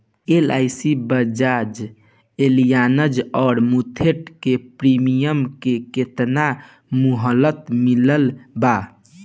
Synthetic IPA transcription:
ela̰jsibəd͡ʒad͡ʒ | elijanəd͡ʒɔːɾmut̪ʰeʈkepɾimijəmkeket̪na | muɦəlːət̪miləlba

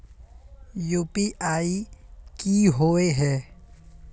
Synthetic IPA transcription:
juːpiʔaːikiɦoeɦɛː

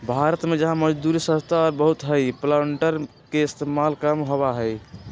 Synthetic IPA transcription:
bʱaɾət̪med͡ʒəɦãməd͡ʒd̪uɾisə̃st̪ʰaɔɾbəɦut̪ɦəjplaɳʈəɾ | keɪst̪emalkamɦoβaɦəj

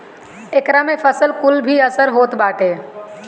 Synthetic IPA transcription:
ekɾamẽfʰəsəlkʊlbʱiəsəɾɦoːt̪baːʈeː

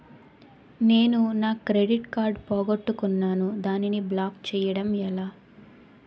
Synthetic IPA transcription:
ne̞ːnunaːkɾeɖiʈkaːɾɖpoːɡɐʈːukunːaːnud̪aːniniblaːkt͡ʃɛːjɐɽɐmɛlaː

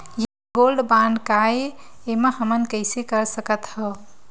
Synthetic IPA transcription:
ja | ɡolɖbanɖkaeeməhəmənkəɪsekəɾsəkət̪hə

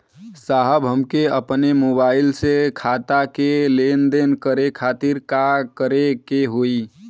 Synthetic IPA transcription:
saɦəbɦəmkeəpnemobaːɪlsekʰat̪akelend̪enkəɾekʰaːt̪iɾkakəɾekeɦoi

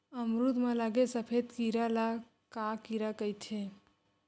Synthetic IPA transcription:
əmɾud̪mãlaɡesəpʰed̪kiɾala | kakiɾakəjt̪ʰe

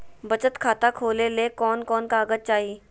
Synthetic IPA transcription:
bɐt͡ʃət̪kʰaːt̪akʰoːlelekɔːnkɔːnkaːɡət͡ʃaːɦiː

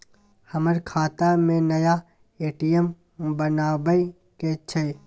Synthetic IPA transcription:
həməɾkʰaːt̪amẽnɐja | eːʈijəm | bənaːbəj | ket͡ʃʰe

